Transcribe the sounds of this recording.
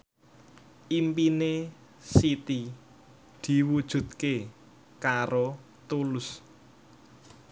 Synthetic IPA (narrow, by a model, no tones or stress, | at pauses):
ʔimpine | sit̪i | d̪̥i̤wud̥ʒ̥ṳt̪̚ke | kaɾo | t̪ulʊs